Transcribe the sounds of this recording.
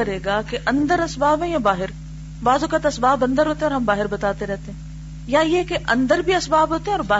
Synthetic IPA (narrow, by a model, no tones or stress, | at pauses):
ɐɾeːɡakeʔɐ̃nd̪əɾɐsbaːbɦɛ̃jãbaːɦɪɾ | ʋaːzʊkət̪ɐsbaːbɐ̃nd̪əɾɦoːt̪eɛɔːɾɦɐmbaːɦɪɾbɐt̪aːt̪eɾɛɦt̪eɦɛ̃ː | jaɪekeʔɐ̃nd̪əɾbʱiɐsbaːbɦoːt̪eɦɛ̃ɔːɾbaː